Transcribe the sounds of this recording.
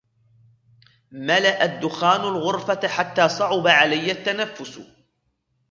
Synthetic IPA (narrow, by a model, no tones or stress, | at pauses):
malaʔad̪ːʊxaːnʊlɣʊɾfaħat̪ːaːsˤɑʕʊbaʕalajːat̪ːanafːʊs